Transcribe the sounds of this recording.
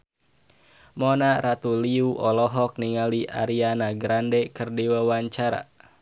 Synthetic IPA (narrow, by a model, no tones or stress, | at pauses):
mɔnaɾat̪uliuʔɔlɔɦɔk̚niŋaliʔa̰ɾianaɡɾandɛkɨrdiwawaɲt͡ʃaɾa̰